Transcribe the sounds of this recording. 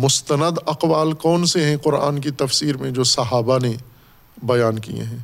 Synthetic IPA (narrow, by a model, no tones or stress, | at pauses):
mʊst̪ənəd̪ɐqwaːlkɔːnseɦɛ̃qʊɾa̰ːnkit̪ɐfsiːɾmẽd͡ʒoːsɐɦaːbane | bɐjaːnkḭjḛ̃ɦɛ̃ː